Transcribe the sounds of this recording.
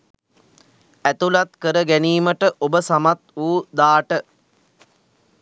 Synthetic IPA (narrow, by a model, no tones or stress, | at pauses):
æt̪ulat̪kəɾəɡæniːməʈəʔobəsamat̪uːd̪aːʈə